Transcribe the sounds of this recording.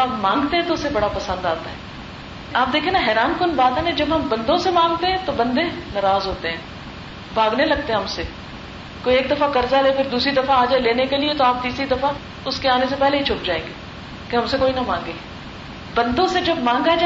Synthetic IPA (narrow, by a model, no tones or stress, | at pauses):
aːpmãːŋɡt̪ẽɦɛ̃t̪oʊsːebɐɽapɐsə̃nd̪aːt̪aɦɛː | aːp̚d̪eːkʰiẽnaɦɛːɾaːnkʊnbaːt̪ɦɛːned͡ʒɐbɦɐmbɐ̃nd̪õsemãːŋɡ̚t̪eɦɛ̃t̪obɐ̃nd̪enɐɾaːzɦoːt̪eɦɛ̃ː | bʱaːɡnelɐɡ̚t̪eɦɛ̃ɦɐmse | koːieːk̚d̪ɐfakɐɾzalepʰɪɾd̪uːsɾid̪ɐfaaːd͡ʒaːeleːnekeliet̪oaːp̚t̪iːsɾid̪ɐfa | ʊskeaːnesepɛɦleɦit͡ʃʰʊp̚d͡ʒaːẽːŋɡeː | keɦɐmsekoːinɐmãːŋɡeː | bɐ̃nd̪õsed͡ʒɐbmãːŋɡad͡ʒ